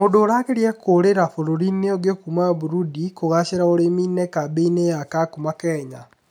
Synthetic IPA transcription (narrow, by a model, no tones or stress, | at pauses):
modoːɾakeɾiɛkoɾeɾafoɾoɾineoɡekumaβuɾudikoɣaɕeɾaoɾeminɛkabeinejakakumakɛːɲa